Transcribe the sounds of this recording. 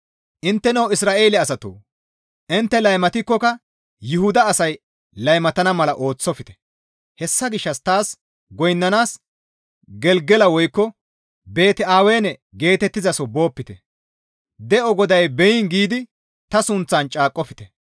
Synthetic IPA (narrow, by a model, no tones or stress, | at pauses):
ʔɪnt̪ːɛnɐwɪsɾaːʔe̞ːlɛɐsɐt̪o̰ː | ʔɪnt̪ːɛlɐjmɐt̪ɪkːɔkɐ | jʊhʊd̪ɐːsɐj | lɐjmɐt̪ɐnɐmɐlɐʔo̞ːt͡sːɔfɪt̪ɛ̥ | hɛsːɐɡɪʃːɐst̪aːs | ɡɔjnːɐnaːs | ɡɛlɡɛlɐwɔjkːɔ | be̞ːt̪ɛaːwe̞ːnɛ | ɡe̞ːt̪ɛt̪ːɪzɐsɔbo̞ːpːɪt̪ɛ | d̪ɛɔɡɔd̪ɐjbɛjɪnɡiːd̪ɪ | t̪ɐsʊnt͡sːɐnt͡ʃʼaːkʼːɔfɪt̪ɛ